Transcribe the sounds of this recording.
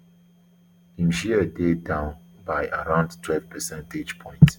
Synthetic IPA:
ĩmʃiədedãʊ̃n | baɪəɹãʊ̃ndtʰwɛlv̥pʰəsɛ̃nted͡ʒpʰɔ̃ɪ̃nt

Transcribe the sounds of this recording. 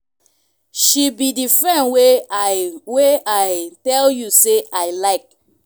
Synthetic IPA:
ʃibidifɹɛ̃nwe | weajtɛljuseaɪlaɪk̚

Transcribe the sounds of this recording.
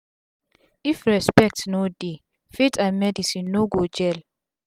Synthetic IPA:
ifɹɛspɛk̚tnode | fetʰãmɛdisĩnːoɡod͡ʒɛl

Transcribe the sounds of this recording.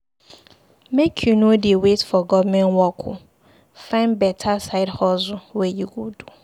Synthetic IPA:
mekʰjunodewetfɔɡɔvmɛ̃nwɔkʰʊ̰ | fãɪ̃nbɛtʰasaɪdhɔzʊwɛjuɡodu

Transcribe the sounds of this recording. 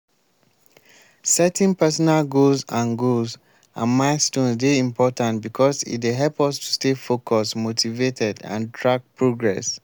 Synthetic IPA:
sɛtɛ̃npɛsɔnalɡozãnɡoz | ã̰nmaɪstõnsdeĩmpʰɔtãntbikʰɔsḭtweɦɛlpɔstʰu̥stefokʰɔsmotʰivetʰɛdã̰ndɹak̚pɹoɡɹɛs

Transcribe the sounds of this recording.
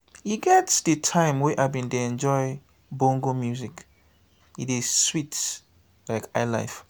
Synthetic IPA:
hiɡɛtsdətʰãɪ̃mwɛʔabĩnteɛ̃nd͡ʒɔɪ | bõŋɡomjuzik | itizswit | laɪkaɪla̰ɪf

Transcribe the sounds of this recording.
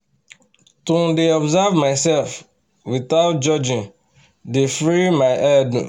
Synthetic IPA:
tũdeɔbzavmaɪsɛlf | witaʊt̚d͡ʒɔd͡ʒĩn | defɹimaɪʔɛdnɛ̰

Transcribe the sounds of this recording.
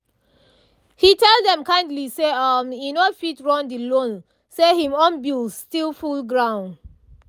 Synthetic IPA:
hitɛlˠdɛ̃mkãɪ̃ndliseʌmjinofitɹɔ̃ndilõn | sehĩmɔ̃nbilstilˠfulɡɹãʊ̃nd

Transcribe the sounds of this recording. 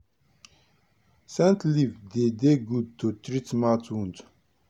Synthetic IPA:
sɛ̃nt̪ʰlivd̪ed̪eɡud̪̚t̪ʰot̪ɾitmat̪ʰwũnt

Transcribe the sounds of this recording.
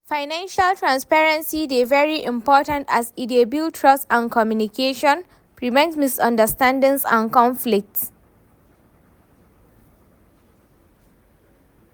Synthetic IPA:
faɪnãnʃəltɹãnspɛɹə̃nsidevɛɹiʔĩmpɔtə̃ntasidiobiltʰɹɔsãnkʰɔmjunikʰeʃɔ̃n | pɹivãnsmisɔ̃ndəstãndə̃ŋsã̰nkɔ̃nflik̚ts

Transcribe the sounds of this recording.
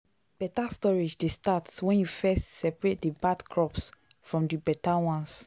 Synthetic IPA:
b̥ɛtastɔɹid͡ʒdestatswɛ̃njufɛstsɛpɹet̚dibadkʰɹɔpsfɹɔ̃mdibɛtawɔ̃ns

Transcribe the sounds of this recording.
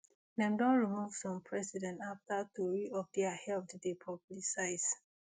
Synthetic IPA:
nɛ̃mdɔ̃nɹimuvsɔ̃mpʰɹɛsidɛ̃ntaftatuɹiɔp̚dɛahɛlptdepʰɔblisaɪs

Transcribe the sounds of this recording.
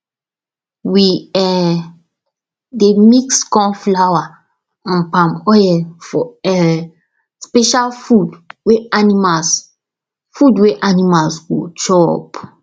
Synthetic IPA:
wiɛ | demikskɔ̃nflawa | ãnpãmɔjɛlfɔɛ | spɛʃalfudweanimas | fudweʔanimalsɡo̰t͡ʃɔɔ̰p

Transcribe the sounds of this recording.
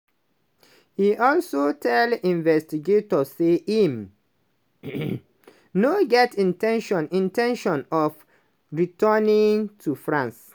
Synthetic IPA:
hiʔɔlsotʰɛldĩnvɛstiɡetɔeim | noɡɛtĩntʰɛ̃nʃɔ̃nĩntɛ̃nʃɔ̃nɔf | ɹitɜnĩŋtʰufɹãns

